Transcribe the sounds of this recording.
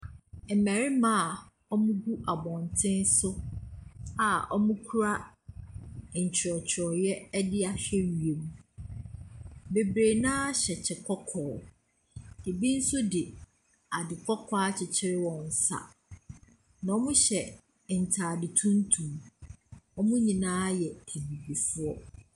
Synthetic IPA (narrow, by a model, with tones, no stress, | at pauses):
m̩˨mæ˨ɾɪ˦mã˦a˨ | ɔ˦mũ˦ɡu˦ʔa˨bɔ̃˨ntʰɪ̃˦n˦sʊ˦ | a˨ɔ˦mũ˦kʰu˦ɾa˦˨ | n̩˨t͡ɕʰɪ˨ɾɔ˨t͡ɕʰɔ˨jɛ˦dɪ˦a˨ɕᶣɛ˦ɥɥe˨mũ˨ | be˨bɾe˨nã˦ɕɛ˨t͡ɕʰɪ˨kʰɔ˦kʰɔː˨ | dɪ˨bi˦n̩˦sʊ˦dɪ˨ | a˨dɪ˨kʰɔ˦kʰɔ˦a˦t͡ɕʰɪ˨t͡ɕʰɪ˦ɾɪ˦wɔ̃˨n̩˨sa̰˨ | nã˨ɔ˦mʊ̃˦ɕɛ˨ | n̩˨tʰaː˨dɪ˨tʰũ˦n̩˦tʰũ˨m | ɔ˦mʊ̃˦ɲĩ˨nãː˦jɛ˨e˨nĩ˨bi˨fu˦ɔ˦